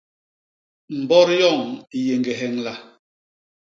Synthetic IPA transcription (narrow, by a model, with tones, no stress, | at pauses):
m̩˨bɔ˦ɾjɔ˦˨ŋi˨je˨ŋɡe˨ɦɛ˨ŋla˨